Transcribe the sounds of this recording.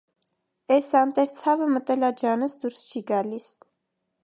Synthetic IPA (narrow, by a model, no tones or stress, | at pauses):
ɛsɑnt̪ɛɾt͡sʰɑvəmət̪ɛlɑd͡ʒɑnəsd̪uɾst͡ʃʰiɡɑlis